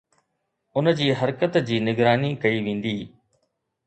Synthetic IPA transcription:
ʊnd͡ʑiːɦɐɾkət̪d͡ʑiːnɪɡɾaːnikɐiʋẽːn̆d̪iː

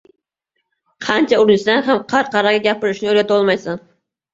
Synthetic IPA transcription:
qʰɑnt͡ʃʰaʊɾnɪsd̪anɦamqʰɑɾqɑɾɑɡʲɑɡʲapʰɪɾɪʃnɪøɾʲɡʲat̪ʰolˠmɑjsan

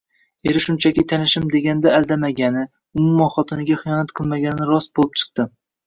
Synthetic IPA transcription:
eɾɪʃʊnt͡ʃʰakʲit̪ʰanɪʃɪmd̪e̞ɡʲanɪd̪aːlˠd̪amaɡʲanɪ | ʊmʊmːɒnχɒt̪ʰɪnɪɡʲaχɨjɒnat̪qʰɨlˠmaɡʲanɪɪɾɒsbolˠɪp̚t͡ʃʰɨ̥q̚t̪ɪ

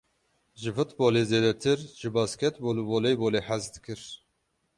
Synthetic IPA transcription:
ʒɨfɨt̪boːleːzeːd̪ɛt̪ʰɨɾʒɨbɑːskʲʰɛt̪boːluboːlejboːleːħæzd̪ɨkʰɨɾ

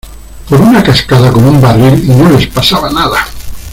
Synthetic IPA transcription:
poɾunakaskaðakonumbarilinolespasaβanaða

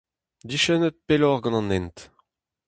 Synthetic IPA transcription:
d̪iʃɛnət̪̚pelɔʁɡɑ̃nɑ̃nɛnt̪

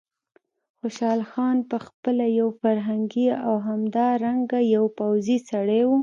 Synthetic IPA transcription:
xoʃɑlxɑnpəxpəlajawfaɾɦaŋɡiawɦamd̪ɑɾaŋɡajawpawzisaɽewu

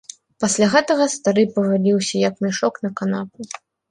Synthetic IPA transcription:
pasʲlʲaɣɛt̪ɐɣɐst̪aɾɨpɐɣalʲiwsʲɐjakmɛʂɔknɐkanapu

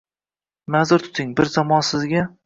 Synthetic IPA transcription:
mazʊɾt̪ʰʊ̥t̪ʰɪŋbɪɾzamɒnsɪzɡʲa

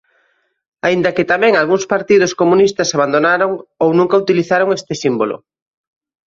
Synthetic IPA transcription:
aind̪ɐkɪt̪amɛ̃ŋalɣuŋspaɾt̪ið̞oskomũnist̪ɐsaβand̪onaɾoŋownũŋkaut̪iliθaɾoŋest̪ɪsimbolo̰

